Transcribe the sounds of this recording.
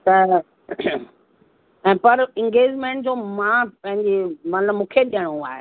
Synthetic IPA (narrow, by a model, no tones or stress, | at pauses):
t̪ɐ | ɛ̃ːpɐɾɪ̃ŋɡeːd͡ʑmẽːɳʈd͡ʑoːmãpɐ̃ɦɪ̃ɲd͡ʑemɐnləbmũːkʰeɗijəɽ̃ũaːɦe